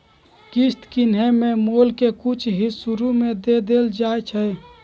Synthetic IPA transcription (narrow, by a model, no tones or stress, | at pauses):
kist̪kinɦemẽmoːlkekʊt͡ʃʰɦisuɾumẽd̪ed̪eːld͡ʒaːet͡ʃʰə